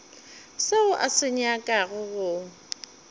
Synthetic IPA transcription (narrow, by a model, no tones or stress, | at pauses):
seʊʔasɪɲakʼaɣʊɣʊ